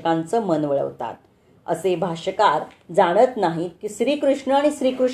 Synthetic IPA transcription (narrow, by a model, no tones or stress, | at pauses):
kãnt͡səːmənʋəɭə̰ʋt̪a̰t̪̚ | ə̰sebʱaɕəkaɾd͡zaɽ̃ət̪naɦikiːɕɾiːkɾuʂɳəaɽ̃iɕɾiːkɾuʂ